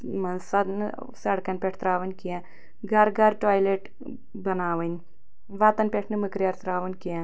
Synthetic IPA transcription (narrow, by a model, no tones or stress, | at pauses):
mɐnsɐd̪nɨ̰ | sɐɽkɐnʲpʲeʈʰt̪ɾaːʋɐnʲkija | ɡɐɾɡɐɾʈaːjleʈ | bɐnaːʋɐnʲ | ʋaːt̪ɐnpʲeʈʰnɨmɨkɾjɐɾt̪ɾaːʋɐnʲkijã